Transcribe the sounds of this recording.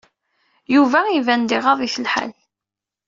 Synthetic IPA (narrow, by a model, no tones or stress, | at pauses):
juvæivænd̪iʁɑðˤiθəlħa̰l